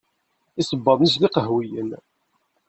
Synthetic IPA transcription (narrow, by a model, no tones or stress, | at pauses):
isəbːɑðˤnis̬liqəɦwijən